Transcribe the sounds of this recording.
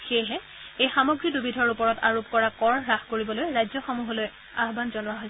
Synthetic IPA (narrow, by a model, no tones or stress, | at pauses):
xejɦɛ | ejxamɔɡɹidubidʱɔɹupɔɹɔta̰ɹup̚kɔɹakɔɹɹaxkoɹibɔlojɹajzɔxɔmuɦɔloj | aɦbanzɔnʊaɦoj